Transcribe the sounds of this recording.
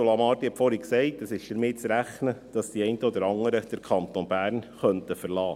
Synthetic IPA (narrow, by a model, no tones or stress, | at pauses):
olɑmɑːɾt̪ihɛpfɔɾhiksɛɪtəsɪʃd̥əɾmɪt͡sɾæχnəd̥ɑsd̥iɛɪntəɔd̪əɾɑŋəɾəd̥əɾkʰɑnt̪onbæːɾnχœnt̪əfəɾlɑː